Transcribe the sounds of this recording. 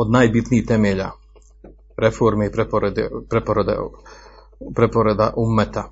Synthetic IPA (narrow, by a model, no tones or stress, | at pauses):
od̪naːjbit̪niiht̪emeːʎa̰ | ɾefoɾmeipɾepoɾed̪epɾepoɾed̪ḛ | pɾepoɾed̪a̰ʔumːet̪a